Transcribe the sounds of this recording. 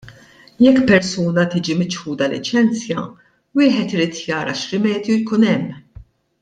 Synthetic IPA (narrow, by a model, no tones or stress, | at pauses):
jɛkːpɛɾsuːnɐt̪iːd͡ʒimɪt͡ʃħuːd̪ɐlɪ̰t͡ʃɛnt͡sjɐ | wɪːħɛt̪ɪɾiːt̪ʰjɐːɾɐ̰ʃɾɪmɛːd̪jujkuːnɛmː